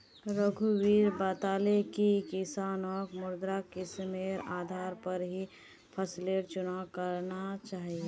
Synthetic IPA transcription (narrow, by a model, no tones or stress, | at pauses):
ɾəɡʱuwiːɾbaːt̪aːlekikɪsaːnɔːkmʊɾd̪ɾakɪsmeɾaːd̪ʱaːɾpəɾɦi | pʰəsleʈt͡ʃʊnakəɾnat͡ʃaːɦie